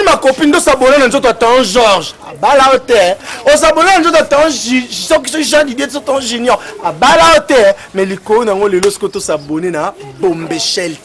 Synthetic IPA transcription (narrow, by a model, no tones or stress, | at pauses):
makopin̩dosabonananzot̬ojatɔ̃ʒɔʁʒabalaotɛos̬abonananzot̬atɔ̃ʒɔkisʒãdidetsotɔ̃ʒenjɔabalaotɛ | mɛlikoonaaŋɡolelosi̥kotosabonenabombeʃɛl